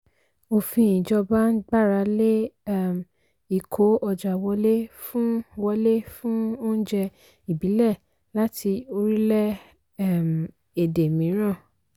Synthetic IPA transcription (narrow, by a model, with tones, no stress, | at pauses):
o˧fĩ˧ĩ˨d͡ʒɔ˧ba˦n̩˦ɡ͡ba˦˨ɾa˧le˦˨m˨ | i˨kʰo˨˦ɔ˧d͡ʒa˨wɔ˧le˦fũ˦wɔ˧le˦fũ˦o˦n̩˦d͡ʒɛ˧ | i˨bi˨˦lɛ˦˨ | la˦ti˧o˧ɾi˦lɛ˦ | ɛ˦˨m | e˨de˨mĩ˨˦ɾ̃ã˦˨